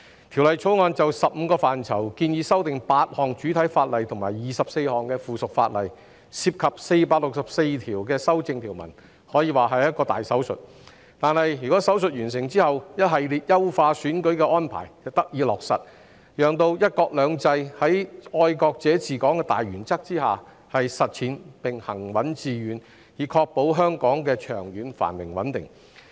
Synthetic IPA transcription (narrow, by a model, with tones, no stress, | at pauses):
t̪ʰiː˨˩wlɐ˨jt͡sʰo˨˥wŋɔː˧nt͡sɐ˨wsɐ˨p̚m̩˧kɔː˧faː˨˩nt͡sʰɐ˨˩wkiː˧njiː˨˧sɐ˥wt̪ɪ˨ŋpaː˧t̚hɔː˨ŋt͡ʃyː˨˥t̪ʰɐ˨˥jfaː˧t̚lɐ˨jt̪ʰʊ˨˩ŋmaː˨˩jjiː˨sɐ˨p̚se˧jhɔː˨ŋkɛː˧fuː˨sʊ˨k̚faː˧t̚lɐ̰˨j | siː˧p̚kʰɐ˨p̚se˧jpaː˧k̚lʊ˨k̚sɐ˨p̚se˧jt̪ʰiː˨˩wkɛː˧sɐ˥wt͡sɪ˧ŋt̪ʰiː˨˩wmɐ̰˨˩n | hɔː˨˥jiː˧waː˨˩ɦɐ˨jɐ˥t̚kɔː˧t̪aː˨jsɐ˨˥wsɵ̰˨t̚ | t̪aː˨nhɐ˨jjyː˨˩kɔ˨˥sɐ˨˥wsɵ˨t̚ɥyː˨˩ns̬ɪ˨˩ŋt͡siː˥hɐ˨wjɐ˥t̚ɦɐ˨jliː˨t̚jɐ˥wfaː˧syː˨˥nkɵ˨˥ɥkɛː˧ʔɔː˥npʰa̰ː˨˩jjɐ˨wt̪ɐ˥k̚jiː˨˧lɔː˨k̚sɐ̰˨t̚ | jœː˨ŋt̪o˧wjɐ˥t̚kɔː˧k̚lœː˨˧ŋt͡sɐ˧jhɐ˨˥jɔː˧jkɔː˧k̚t͡sɛː˨˥t͡siː˨˩kɔː˨˥ŋkɛː˧t̪a̰ː˨jɥyː˨˩nt͡sɐ˥k̚t͡siː˥haː˨ | hɐ˨jsɐ˨t̚t͡sʰiː˨˥npɪ˨ŋhɐ˨˩ŋwɐ˨˥nt͡siː˨˧ɥyː˨˥n | jiː˨˧kʰɔː˧k̚po˨˥wɦœː˥ŋkɔː˨˥ŋkɛː˧t͡ʃʰœ̰ː˨˩ŋjyː˨˧nfa̰ː˨˩nmɪ̰˨˩ŋwɐ̰˨˥nt̪ɪ̰˨˩ŋ